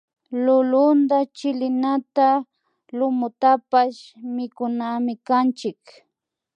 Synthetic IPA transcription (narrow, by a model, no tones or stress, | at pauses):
lʊlʊnd̪at͡ʃɪlɪnat̪a | lʊmʊt̪apaʃmɪkʊnamɪkant͡ʃɪk